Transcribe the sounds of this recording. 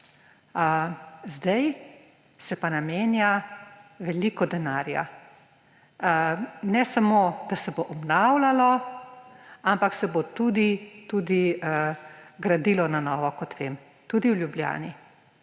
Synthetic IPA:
zd̪aj | sɛpanameːnja | ʋɛlikɔd̪ɛnaːɾja̰ | nɛsamoːd̪̥asɛboʔɔbnawlalɔ | ampaksɛbot̪ud̪it̪ud̪i | ɡɾad̪ilɔnanɔːʋɔkɔt̪ʋem | t̪ud̪iwljublja̰ːni

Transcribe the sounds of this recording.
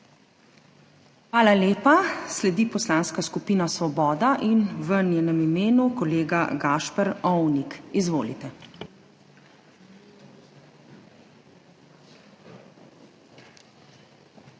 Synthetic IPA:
xʋaːlaleːpaslɛd̪ipɔslanskaskupiːnasʋɔbɔːd̪aʔinʋənjeːnəmimeːnukɔleːɡaɡaːʃpɛɾɔwnikizʋoːlḭt̪ɛ

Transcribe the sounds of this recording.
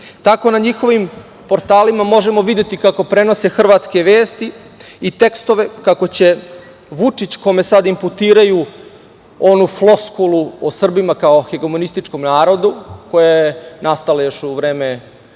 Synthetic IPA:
t̪ako̞naɲixo̞ʋim | po̞ɾt̪aːlimamo̞ʒe̞mo̞ʋid̪jet̪ikako̞pɾe̞no̞se̞xr̩ʋaːt̪ske̞ʋe̞ːst̪i | it̪e̞kst̪o̞ʋe̞kako̞t͡ɕe̞ | ʋut͡ʂit͡ɕko̞me̞sad̪imput̪iːɾaju | o̞nuflˠo̞skuluosr̩bimakao̞xeɡomonist̪it͡ʃko̞mnaːɾo̞d̪uko̞jajenast̪alejo̞ʃuʋɾeːme

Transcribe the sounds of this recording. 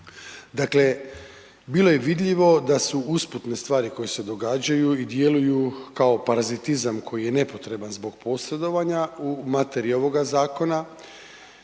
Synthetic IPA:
d̪akle̞ | biːlˠo̞je̞ʋid̪ʎʲiʋo̞d̪asuusput̪ne̞st̪ʋaːɾiko̞jese̞d̪o̞ɡaːd͡ʑajuid̪je̞lujukao̞paɾazit̪izamkʰo̞jije̞ne̞po̞t̪ɾe̞banzbo̞ɡpo̞sɾe̞d̪o̞ʋaɲaumat̪e̞ɾio̞ʋo̞ɡazaːko̞na

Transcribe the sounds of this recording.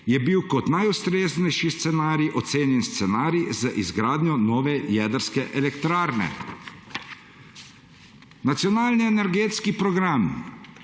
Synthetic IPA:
jɛbiwkɔt̪najust̪ɾeːznɛjʃist̪sɛnaːɾiʔɔt̪seːnjɛnst̪sɛnaːɾizaʔizɡɾaːd̪njɔnɔːʋɛjɛːd̪əɾskɛʔɛlɛkt̪ɾaːɾnɛ̰ | nat̪sijɔnaːlniɛnɛɾɡeːt̪skipɾɔɡɾam

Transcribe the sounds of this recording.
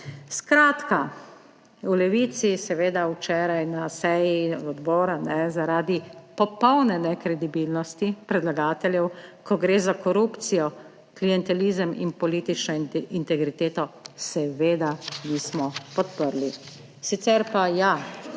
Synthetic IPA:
skɾaːt̪ka | ulɛʋiːt̪sisɛʋeːd̪awt͡ʃɛːɾajnasɛjiɔd̪bɔːɾanɛzaɾaːd̪ipɔpɔwnɛnɛkɾɛd̪ibilnɔst̪ipɾɛd̪laɡaːt̪ɛljɛwkɔɡɾeːzakɔɾupt̪sijɔ | klijɛnt̪ɛlizəmḭnpɔliːt̪it͡ʃnɔint̪ɛɡɾit̪eːt̪ɔsɛʋeːd̪anismɔpɔt̪pəɾli | sit̪sɛɾpaja

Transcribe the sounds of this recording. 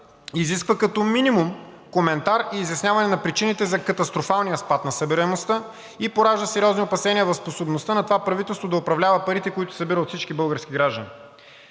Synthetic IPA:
iziskvəkɐt̪ɔminimum | komɛnt̪aɾiːzjɐsnʲavɐnɛnɐpɾit͡ʃinit̪ɛzɐkɐt̪ɐst̪ɾofalˠnijəspat̪nɐsɐbiɾɛmost̪ə | ipoɾaʒd̪əsɛɾʲiɔzniopɐsɛniəvɐfsposobnost̪ənɐt̪ovapɾɐvit̪ɛlˠst̪vod̪ɐʊpɾɐvlʲavəpɐɾit̪ɛkoit̪ʊ̥sɐbiɾəot̪fsit͡ʃkibɤlˠɡəɾsk̟iɡɾaʒd̪ənḭ

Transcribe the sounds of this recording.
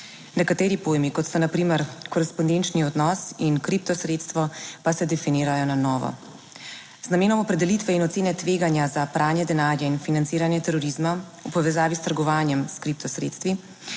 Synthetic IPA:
nɛkat̪ɛːɾipoːjmikɔt̪sɔnapɾiːməɾkɔɾɛspɔnd̪ent͡ʃniɔd̪nɔːsinkɾip̚t̪ɔsɾeːt̪st̪ʋɔpasɛd̪ɛfiniːɾajɔnanɔːʋɔ̰ | znameːnɔmɔpɾɛd̪ɛlit̪ʋɛinɔt̪seːnɛt̪ʋeːɡanjazapɾʔaːnjɛd̪ɛnaːɾjainfinantsiːɾanjɛt̪ɛɾɔɾizma | upɔʋɛzaːʋist̪əɾɡɔʋaːnjɛmskɾip̚t̪ɔsɾḛːt̪st̪ʋi

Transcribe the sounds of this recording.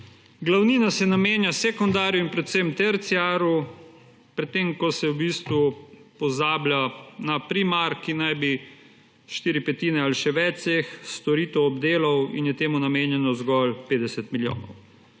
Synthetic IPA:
ɡlawniːnasɛnameːnjasekɔnd̪aːɾjɔinpɾɛt̪semt̪ɛɾt̪siaːɾu | pɾɛt̪ːeːmkɔsɛwbiːst̪ʋupɔzaːbljanapɾimaɾkinajbi | ʃt̪iːɾipɛt̪iːnɛaliʃɛʋɛsexst̪ɔɾiːt̪ɛwɔbd̪eːlɔwḭnjɛt̪eːmunameːnjɛnɔzɡɔlpeːd̪ɛsɛt̪miljo̰ːnɔw

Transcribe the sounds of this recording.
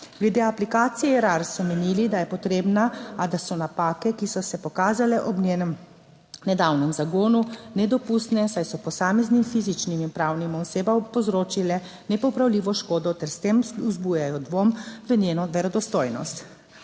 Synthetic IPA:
ɡ̥lɛd̪eaplikaːt̪sijɛɾaɾsɔmɛnilid̪ajɛpɔt̪ɾeːbnaad̪asɔnapaːkɛkisɔsɛpɔkaːzalɛʔɔbnʲeːnəm | nɛd̪awnɛmzaɡoːnunɛd̪ɔpust̪nɛsajsɔpɔsaːmɛznimfizit͡ʃniminpɾaːwnimɔseːbapɔzɾoːt͡ʃilɛ | nɛpɔpɾawliːʋɔʃkoːd̪ɔt̪ɛɾst̪emuzbujajɔd̪ʋomʋənjeːnɔʋɛɾɔd̪ɔst̪oːjnɔ̰st̪

